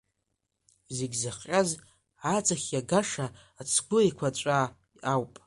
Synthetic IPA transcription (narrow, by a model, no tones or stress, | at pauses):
zeɡʲzaχʲʼaz | ad͡zʼaχʲjaɡaʂaː | t͡sʰɡʷʊikʷʰat͡ʃʷʼa | iawpʼ